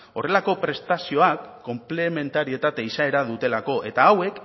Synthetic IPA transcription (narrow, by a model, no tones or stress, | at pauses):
o̞re̞lako̞pɾe̞st̪asio̞akːo̞mple̞me̞nt̪aɾie̞t̪at̪eisae̞ɾaðut̪e̞lako̞ʔe̞t̪aːwe̞k